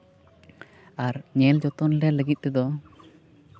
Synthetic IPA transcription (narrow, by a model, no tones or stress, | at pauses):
aɾɲɛld͡ʒɔt̪ɔnlɛləɡit̪̚t̪ɛd̪ɔ